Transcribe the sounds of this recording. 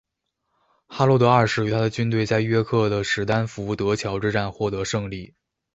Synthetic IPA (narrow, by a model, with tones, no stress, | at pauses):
xa˥lwɔ˥˧˩t̪ɤ˧˥ɐ˞˥˩ʂɻ̩˥˩y˧˥t̪ʰa˥d̪ə˨t͡ɕy˥nt̪we˥˧ɪt͡sa˥˧ɪɥɛ˥kʰɤ˥˩d̪ə˩ʂɻ̩˧˥t̪a˥nfu˧˥u˥˩t̪ɤ˧˥t͡ɕʰjɑ˧˥ʊʈ͡ʂɻ̩˥ʈ͡ʂa˥˧nxwɔ˥˩t̪ɤ˧˥ʂɤ˥˧ŋli˥˩